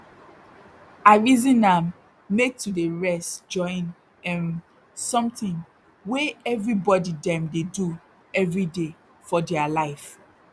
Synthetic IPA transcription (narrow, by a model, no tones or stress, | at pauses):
aɹizĩnãmː | ek̚tudeɹɛstd͡ʒɔ̃ɪ̃n | ɛ̃n | sɔ̃mtĩŋ | weɛvɹibɔdidɛ̃mdedu | ɛvɹide | fɔdɛalaɪf